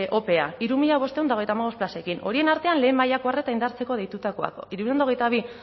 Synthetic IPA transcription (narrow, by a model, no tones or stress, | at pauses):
ʔo̞pe̞aiɾumiʎaβ̞o̞st̪e̞und̪aoejt̪amaɣ̞o̞splase̞kino̞̰ɾie̞naɾt̪e̞anle̞ːmajakoare̞t̪aind̪aɾt͡se̞ko̞ðejt̪ut̪ako̞a̰ko̰iɾuʎend̪ao̞ɣe̞jt̪aβ̞i